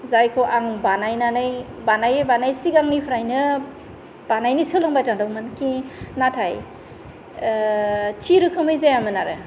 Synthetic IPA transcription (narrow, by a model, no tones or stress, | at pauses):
zajkʰɯwʔaŋbanajnanaj | banajbanajsiɡaŋnipʰɾajnɯ | b̥anajnisɯlɯŋbajtaŋdawmɯnkinatʰaj | tʰiɾɯkʰɯmɯjzajamɯnaɾɯ